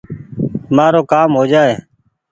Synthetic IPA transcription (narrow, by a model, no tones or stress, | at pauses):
maːɾoːkaːmɦoːd͡ʒaːeː